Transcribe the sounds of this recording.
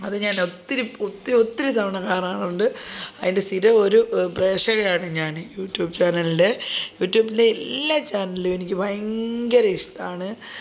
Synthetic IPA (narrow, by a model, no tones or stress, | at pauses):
ɐðɨɲaːnot̪ːiɾiot̪ːiio̞t̪ːiɾut̪ɐmɐɳɐkaːraːɳuɳɖɨɐðinde̞st̪iɾɐoɾupre̞ːʂɐɣɐjaːɳɨɲaːnjuːʈːjuːbt͡ɕaːnɐlide̞juːʈːjuːbinde̞ilːat͡ɕaːnɐlilue̞nikʲːɨbʱɐjɐŋɡɐɾɐiʂʈaːɳɨ